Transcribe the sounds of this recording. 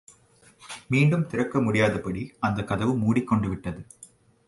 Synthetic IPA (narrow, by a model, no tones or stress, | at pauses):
miːɳɖɯmt̪ɪɾɐkːɐmʊɽɪjaːðɐpːɐɽiɐnd̪ɐkːɐðɐʋɯmuːɽɪkːɔɳɖɯʋɪʈːɐðɯ